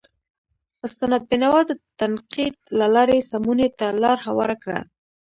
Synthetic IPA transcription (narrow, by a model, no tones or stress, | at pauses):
ʊst̪anad̪̚bɪnawɑd̪ət̪anqid̪̚lalɑɾesamunet̪alɑɾhawɑ̰ɾakɽa̰